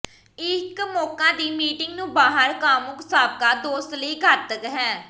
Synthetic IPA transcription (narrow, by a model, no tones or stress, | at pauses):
ɪkmɔːkãːd̪iːmiːʈɪŋɡnũːbaːɦəɾkaːmʊksaːb̚kaːd̪oːst̪ləiːɡət̪kɦɛː